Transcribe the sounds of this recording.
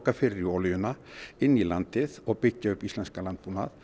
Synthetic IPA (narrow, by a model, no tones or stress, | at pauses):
kafɪɾiɔːlʏjʏnaɪnːilant̪ɪðɔɣpɪcːaʏpːist̪lɛnskalant̪̚punað